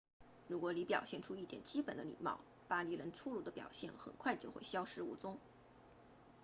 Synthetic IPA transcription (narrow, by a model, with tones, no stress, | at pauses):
ɻu˧˥kwɔ˧˥li˧˥pjɑ˨˩ʊɕjɛ˥˩nʈ͡ʂʰu˥i˥˩t̪jɛ˨˩nt͡ɕi˥pə˨˩nd̪ə˦lḭ˨˩mɑ̰˥˩ʊ | pa˥li˥˩lə˧˥nʈ͡ʂʰu˥ɻu˧˩d̪ə˦pjɑ̰˨˩ʊɕjɛ˥˩nxə̰˨˩nkʰwa˥˧ɪt͡ɕjo˥˧ʊxḛ˥˩ɪɕjɑ˥ʊʂɻ̩˥ṵ˥˩t͡sʊ˥ŋ